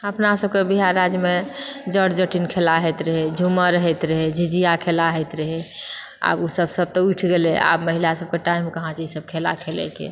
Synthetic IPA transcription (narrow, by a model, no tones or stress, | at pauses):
əpnasəbkebiɦaɾːad͡ʒjmed͡ʒəɽd͡ʒəʈinkʰelaɦɛt̪ɾəɦɛd͡ʒʱuməɾəɦɛt̪ɾəɦed͡ʒid͡ʒijakʰelaɦɛt̪ɾəɦɛ | a̰busəbsəb̚t̪ɔuʈʰɡelɛa̰bməɦilasəb̚keʈaimkəɦãt͡ʃisəb̚kʰela̰kʰelɛ̰kḛ